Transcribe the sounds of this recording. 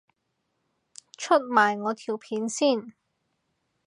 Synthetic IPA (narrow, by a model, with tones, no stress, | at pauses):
t͡ʃʰɵ˥t̚maː˨˩jŋɔː˨˧t̪ʰiː˨˩wpʰiː˨˥nsiː˥˩n